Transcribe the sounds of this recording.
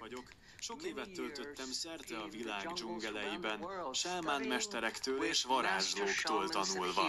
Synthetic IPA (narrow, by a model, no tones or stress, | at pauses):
ɒɟo̞k | ʃo̞keːvɛt̪ːø̞lt̪ø̞t̪ːɛmsɛrt̪ɛɒvilaːɡd͡ʒuŋɡɛlɛjibɛnʃɛlmaːnmɛʃt̪ɛɾɛkt̪øːleːʃʋɒɾaːʒloːkt̪oːlt̪ɒnulvɒ